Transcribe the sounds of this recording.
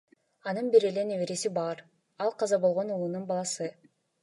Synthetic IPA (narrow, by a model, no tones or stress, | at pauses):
ɑnɯnbiɾele̞neβeɾesibɑɾ | ɑlˠqʰɑzɑbo̞lˠʁo̞nulˠununbɑlˠɑsɯ